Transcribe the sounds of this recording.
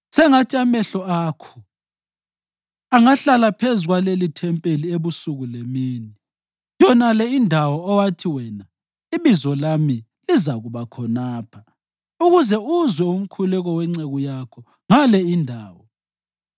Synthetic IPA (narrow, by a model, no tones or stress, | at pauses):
sɛŋatʰʼiamɛɬɔaːkʰɔ̥ | aŋaɬalapʰezuɣwalelitʰɛmpʼelieβusuɣulemiːni | jɔnalɛindʱawɔːwatʰiwɛna | iβizɔlami | lizaɣuβakʰɔnaːpʰḁ | uɣuzɛuzwɛum̩kʰulɛɣɔwɛŋ͡ǀeɣujakʰɔ | ŋalɛindʱaːwɔ